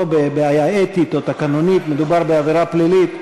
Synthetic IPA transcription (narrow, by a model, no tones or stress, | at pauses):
obebeajaet̪it̪ot̪akanonit̪me̞d̪ubaʁbeaviʁaplilit̪